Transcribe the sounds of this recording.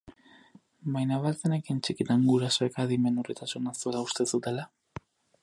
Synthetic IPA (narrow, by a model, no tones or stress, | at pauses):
bajnaβalt͡senekint͡ʃikit̪aŋɡuɾasoekaðime̞nurit̪asunasolaust̪e̞sut̪e̞la